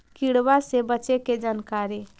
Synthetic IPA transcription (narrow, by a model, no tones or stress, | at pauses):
kiɽbasebəːt͡ʃeked͡ʒankaɾe